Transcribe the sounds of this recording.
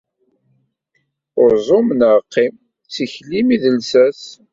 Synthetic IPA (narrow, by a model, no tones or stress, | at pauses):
ʊɾzˤomənəʁqːim | t͡sːiçlimiðəlsæs